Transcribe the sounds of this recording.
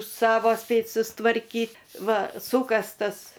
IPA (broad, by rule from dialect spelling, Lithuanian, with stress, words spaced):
ˈsɑːʋoː ˈsʲpʲeːtʲ sʊstʋɐrʲˈkʲiːtʲ ˈʋɐ ˈsuːkɐstɐs